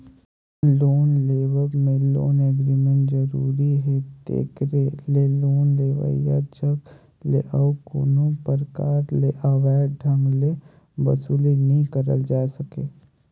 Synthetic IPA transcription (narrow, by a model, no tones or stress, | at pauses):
loːnleːʋəɾmẽlo̰ːneɡɾimẽɳʈzəɾuːɾiɦɛt̪ḛːkɾeleloːnleːʋə̰ja̰t͡ʃək | lḛʔɐwko̰ːnõpəɾkaːɾleʔaʋɛːɖʱə̃ŋɡle | bəsuːlinəɦĩkəɾə̰ld͡ʒaːsəkeː